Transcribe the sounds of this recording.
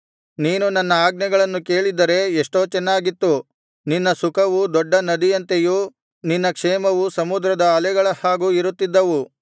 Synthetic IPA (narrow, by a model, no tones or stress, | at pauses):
niːnunɐnːɐaːɡnɐɡɐɭɐnːuke̞ːɭid̪ɐɾe̞eʂʈo̞ːt͡ʃɛnːaːɡit̪ːu | ninːɐsukʰɐʋud̪ɔɖːɐnɐd̪ijɐnt̪eju | ninːɐkʂɛːmɐʋusɐmud̪ɾɐd̪ɐːlɛɡɐɭɐhaːɡuiɾut̪ːid̪ːɐʋu